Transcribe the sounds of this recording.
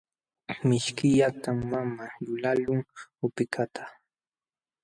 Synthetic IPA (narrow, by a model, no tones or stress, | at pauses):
mɪʃkɪʎat̪amːamalʊlalʊŋʊpɪkʰat̪ʰḁ